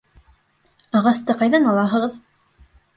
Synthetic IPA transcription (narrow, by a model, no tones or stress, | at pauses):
ɑʁɑst̪ɤqɑjðɑnɑlˠɑɦɤ̆ʁɤð